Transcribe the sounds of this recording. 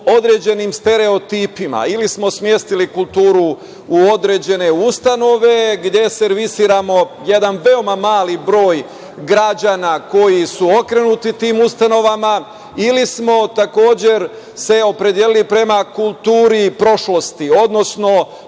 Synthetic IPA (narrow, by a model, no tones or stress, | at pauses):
o̞d̪ɾe̞ːd͡ʑe̞nimst̪e̞ɾe̞o̞t̪iːpima̰ilismo̞smje̞st̪ilikulˠt̪uːɾu | uo̞d̪ɾe̞d͡ʑe̞ne̞ust̪ano̞ʋe̞ɡd̪je̞se̞ɾʋisiːɾamo̞je̞d̪anʋe̞o̞mamaːlibɾo̞ːj | ɡɾad͡ʑanako̞jisuo̞kɾe̞nut̪it̪iːmust̪ano̞ʋama | ilismo̞t̪ako̞ːd͡ʑe̞ɾ | se̞o̞pɾe̞d̪jelilipɾe̞makulˠt̪uːɾipɾo̞ʃlo̞st̪io̞d̪no̞sno̞